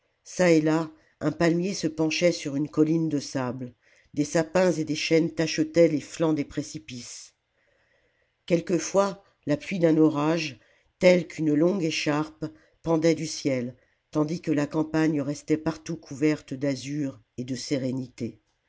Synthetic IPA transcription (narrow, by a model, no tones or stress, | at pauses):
saela | ɛ̃palmjesəpɑ̃ʃɛsyʁynkɔlind̪əsabl | d̪esapɛ̃zed̪eʃɛnt̪aʃət̪ɛleflɑ̃d̪epχesipis | kʲɛlkəfwa | laplɥid̪ɛ̃nɔʁaʒ | t̪ɛlkʰynlɔ̃ɡeʃaʁp | pɑ̃d̪ɛd̪ysjɛl | t̪ɑ̃d̪ikəlakɑ̃paɲʁɛst̪ɛpaʁt̪ukʰuvɛʁt̪d̪azyʁ | ed̪əseʁenit̪e